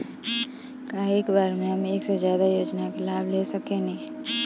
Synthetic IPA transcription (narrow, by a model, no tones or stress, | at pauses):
kaːɦeːkbaːɾmẽɦəmeːksezjaːd̪ajoːd͡ʒnakelaːbʱlesɐkẽnẽ